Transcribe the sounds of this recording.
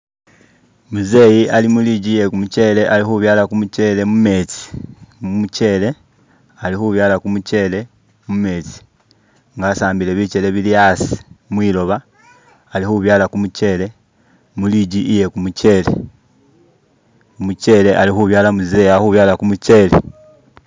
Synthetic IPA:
muze̞jiʔalimuliɟiːje̞kumuce̞ːle̞ʔalixuβjaːlakumuce̞le̞mume̞t͡si̥mumuce̞le̞ | alihuβjaːlakumuce̞ːle̞ | mume̞ːt͡si̥ | ŋɡasaːmbile̞βit͡ʃe̞le̞βiliasi̥mwiːlo̞βaː | lihuβjaːlakumuce̞ːle̞ | muliɟiʔije̞kumuce̞ːle̞̰ | kumuce̞ːle̞ʔalixuβjaːlamuzejahuβjaːlakumuce̞ːle̞̰

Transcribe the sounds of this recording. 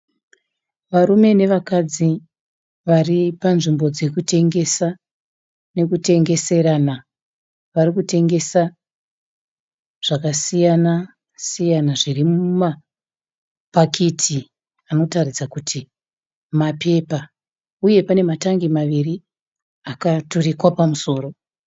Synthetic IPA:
ʋaɾume̞ne̞ʋakad͡zi | ʋaripanʐimbo̞d͡ze̞kute̞ŋɡe̞sa | ne̞kute̞ŋɡe̞se̞ɾana | ʋaɾikute̞ŋɡe̞sa | ʐ̥akasijana | sijanaʐirimuma | pakʰetʰi | ano̞tarid͡zakutʰi | mape̞pa | uje̞pane̞mataŋɡimaʋiri | akaturikwapamuso̞ːro̞

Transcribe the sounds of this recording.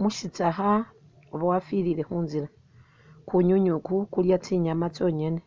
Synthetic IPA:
muʃit͡saxa | oβawafiɾiɾe̞xuːnziɾa | kuɲuɲukukuljat͡siɲamat͡so̞ɲene

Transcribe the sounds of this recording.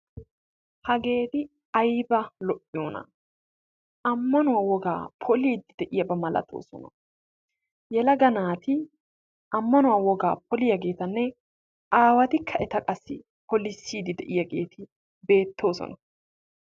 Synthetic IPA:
hɐɡe̞ːt̪ɪ | ɐjbɐlɔʔɪjoːnɐ̰ | ʔɐmːɐnʊwaːwɔɡa̰ːpʰɔliːd̪ɪd̪̥ɛʔɪjɐbɐmɐlɐ̰t̪ʰo̰ːsɔ̰nɐ | jɛlɐɡɐnaːt̪ɪ | ʔɐmːɐnʊwawɔɡaːpʰɔlɪjɐɡe̞ːt̪ɐnːɛ | ʔaːwɐt̪ɪkʰːɐʔɛt̪ɐkʼɐsːɪ̰ | pʰɔlisːiːd̪ɪd̪ɛʔɪjɐɡe̞̰ːt̪ɪ | be̞ːt̪ʰːo̞ːsɔ̰nɐ

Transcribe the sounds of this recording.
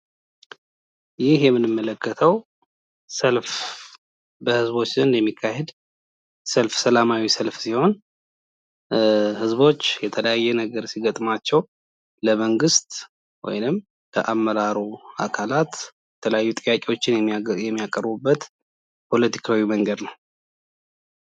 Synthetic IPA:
jɪhjɛmːɨnɨmːələkːət̪ʰəw | səlf | bəhɨzbo̞t͡ʃːɨnjɛmːikʰːahed̪ | səlfsəlamawisəlfsiho̞n | hɨzbo̞t͡ʃːjɛt̪ʰələjajːɛnəɡəɾsiɡət̪ʼmat͡ʃːɛw | ləməŋɡɨst̪ | wɔ̰jnɨm | ləʔamːəɾaɾua̰kʰalat̪jɛt̪ʰələjajːut̪ʼɨjːakʼiwo̞t͡ʃːɪnjɛjɛmːijakʼəɾbubːət̪ | pʰo̞lət̪ʰi̥kʰawiməŋɡəd̪nəw

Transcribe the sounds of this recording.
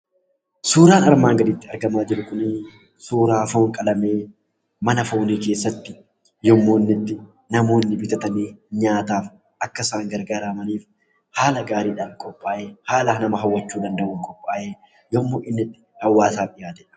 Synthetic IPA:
suːɾaːnɐɾmaːŋɡɐd̪ɪːt̪ːɪɐɾɡɐmaːd͡ʒɪɾʊkʊnɪ | suːɾaːfoːŋkʼɐlɐme̞ː | mɐnɐfoːniːke̞ːsːɐt̪ːɪ | jɔmːo̞ːnːɪt̪ːɪ | nɐmo̞ːnːɪbɪt̪ɐt̪ɐneːɲaːt̪aːf | ʔɐkːɐsaːŋɡɐɾɡaːɾaːmɐniːf | haːlɐɡaːɾiːᶑaːnkʼɔpʼːaːʔeːhaːlɐnɐmɐɦɐwːɐt͡ʃːuːd̪ɐnd̪ɐʔʊŋkʼɔpʼːaːjeː | jɔmːoːʔɪnːɪt̪ːɪ̥hɐwːaːsaːfɪjaːd͡ʒɛᶑɐ̥

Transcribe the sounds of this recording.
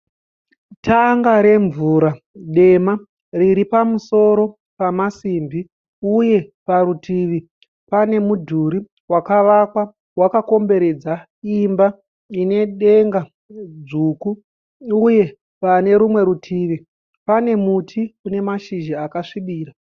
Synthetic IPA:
tʰaŋɡaɾe̞ɱvuːɾa | ɗe̞ma | riɾipamuso̞ɾo̞ | pamasiːmbi | uje̞paɾutʰiʋi | pane̞mudʱuɾi | wakaʋakwa | wakako̞mbe̞ɾe̞d͡za | imba | ine̞ɗe̞ŋɡa | d͡zuːku | uje̞ | pane̞ɾumwe̞ɾutʰiʋi | pane̞mutʰikune̞maʃiʒaakaʂiɓiːra

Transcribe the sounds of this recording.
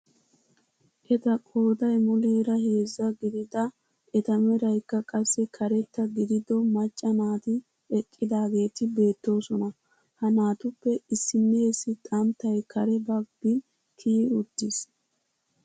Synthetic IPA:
ʔɛt̪ɐkʼo̞ːd̪ɐjmɔleːɾɐhe̞ːzːɐɡɪd̪ɪd̪ɐ | ʔɛt̪ɐmɛɾɐjkːɐkʼɐsːɛkʰɐɾɛt̪ːɐɡɪd̪ɪd̪ɔmɐt͡ʃʼːɐnaːt̪ɪ | ɛkʼːɪd̪aːɡe̞ːt̪ɪbe̞ːt̪ːo̞ːsɔnɐ | hɐnaːt̪ʊpːɛɪsːɪnːeːsːɪt̪ʼɐmt̪ːɐjkʰɐɾɛbɐɡbɪ | k̪ʰiːʊd̪ːɪs

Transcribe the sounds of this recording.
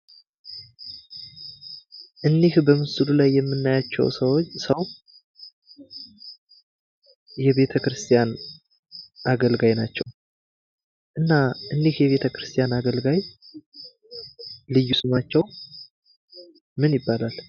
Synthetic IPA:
ʔɨndihbəmɨsɨlulajːɛmːɨnːajat͡ʃːɛ̰wsəwot͡ʃːsəw | jɛβe̞t̪ʰəkɾɨst̪ʰijan | ʔaɡəlɡajnat͡ʃːɛw | ʔɨnːaʔɨndihjɛβe̞t̪ʰəkɾɨst̪ʰijanaɡəlɡaj | lɨjːusɨmat͡ʃːɛw | mɨnjɪbːalal

